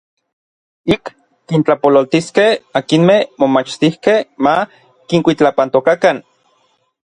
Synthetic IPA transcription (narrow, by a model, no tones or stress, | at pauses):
ikː | int͡ɬapololt̪iskehakinmehmomat͡ʃt̪ihkehma | kiŋkʷit͡ɬapant̪okakan